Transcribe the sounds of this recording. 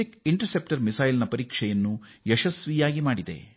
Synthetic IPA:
ikiɳʈɐɾsep̚ʈɐɾmisɐjlnɐpɐɾiːkʂɛjɐnːujɛʃɐsʋijaːɡimaːɽid̪ḛ

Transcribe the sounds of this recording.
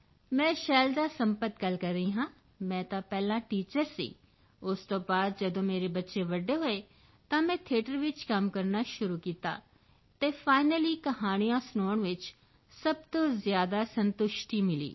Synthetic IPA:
mɛ̃ːʃɛːld̪aːsəmpət̪ɡəlkəɾːəĩːɦãː | mɛ̃ːt̪ãːpɛːlãːʈiːt͡ʃəɾsḭː | ʊst̪õːbaːd̪̚d͡ʒəd̪õːmeːɾeːbətːʃeːʋəɖːeːɦoːeː | t̪ãːmɛ̃ːt̪ʰeːʈəɾʋɪt͡ʃkəmkəɾnaːʃʊɾuːkiːt̪a̰ː | t̪eːfʰaːɪnəliːkəɦaːñijãːsnoːəɳʋɪt͡ʃ | səb̚t̪õːzjaːd̪aːsənt̪ʊʃʈiːmɪlḭː

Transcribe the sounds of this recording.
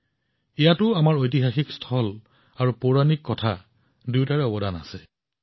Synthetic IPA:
ijatʊamaɹojt̬iɦaxikstʰɔl | aɹupoɹanikːɔtʰa̰ | dutaɹɛɔbɔdana̰sɛ

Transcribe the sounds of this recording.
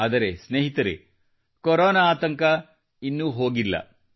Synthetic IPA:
aːd̪ɐɾesneːɦit̪ɐɾḛ | koɾoːnaːt̪ɐŋkɐ | inːuɦo̞ːɡilːɐ̰

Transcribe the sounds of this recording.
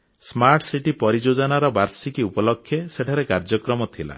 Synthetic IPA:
smaɾʈsiʈipɔɾid͡ʒod͡ʒɔnaɾɔbaɾsikiupɔlɔkʰːjeseʈʰaɾekaɾd͡ʒɔkɾɔmɔt̪ʰila̰

